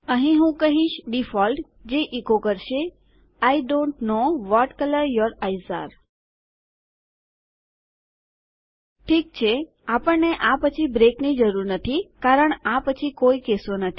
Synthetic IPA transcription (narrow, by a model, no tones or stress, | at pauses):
əɦĩɦũkəɦiʃɖifɔlʈ | d͡ʒeʔikokəɾʃe | ajɖõɳʈnoʋɔʈkələɾjɔɾajsa̰ɾ | ʈʰik̚t͡ʃʰe | apəɳneʔapət͡ʃʰibɾeknid͡ʒəɾuɾnət̪ʰikaɾəɳapət͡ʃʰikoikesonət̪ʰi̥